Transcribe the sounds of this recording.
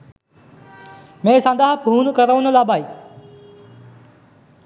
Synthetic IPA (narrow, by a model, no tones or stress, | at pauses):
mẽːsãːnd̪aːɦpuːnkɐɾəʋʊnəlaːbaːiː